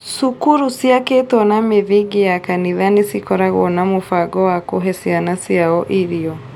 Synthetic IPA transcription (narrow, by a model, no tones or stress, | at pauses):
sukuɾusiaketɔnameðiɡejakaniðanesikɔɾaɣɔnamofaɡɔwakoɦɛsianasiaɔʔiɾiɔ